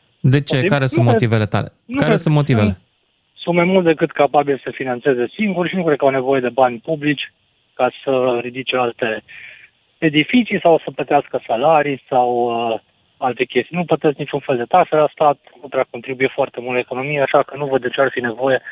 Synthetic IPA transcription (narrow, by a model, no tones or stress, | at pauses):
d̪e̞t͡ʃe̞ikaɾesunmoivelet̪a̰lenukaesunmo̞t̪ivele | sunt̪majmult̪d̪e̞kɨt̪kapabilsəfinant̪se̞ze̞siŋɡurʃinukɾed̪̚kawne̞vo̞je̞d̪e̞banʲpublit͡ʃʲ | kasəɾid̪it͡ʃe̞alt̪e̞ː | d̪ifit̪sijsawsəplət̪easkəsalaɾijsawə | alt̪e̞kʲe̞st̪ijnuplət̪esknit͡ʃunfeld̪e̞t̪akse̞last̪at̪̚ | ot̪ɾeako̞nt̪ɾibujefoart̪e̞mult̪əeko̞no̞mijeaʃakənuvəd̪d̪et͡ʃearfine̞vo̞je̞